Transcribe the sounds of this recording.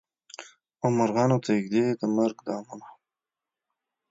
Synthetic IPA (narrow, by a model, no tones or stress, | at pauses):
ʊmaɾɣɑnot̪aɪɡd̪ed̪əmaɾɡd̪ɑːmana